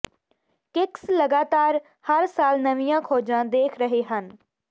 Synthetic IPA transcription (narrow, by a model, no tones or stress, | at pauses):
kɪksləɡaːt̪aːɾ | həɾsaːlnəʋijãːkʰoːd͡ʒãːd̪eːkʰɾəɦeːɦən